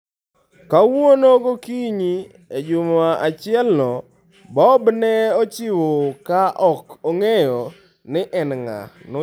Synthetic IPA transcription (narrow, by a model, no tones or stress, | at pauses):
kawonoɡokiɲi | ed͡ʒʊmaʔat͡ʃɪɛlnɔ | bɔbnɛot͡ʃɪwokaʔɔkoŋɛjɔ | nɪʔɛnŋa̰nɔ